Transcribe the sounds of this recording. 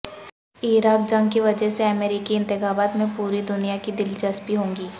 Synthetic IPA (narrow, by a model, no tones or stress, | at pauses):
iːɾaːk̚d͡ʒɐ̃ŋɡkiʋɐd͡ʒɛɦseɐmeːɾikiɪ̃nt̪ɪxaːbaːt̪mẽpuːɾid̪ʊnijakid̪ɪlt͡ʃɐspiɦõːŋɡiː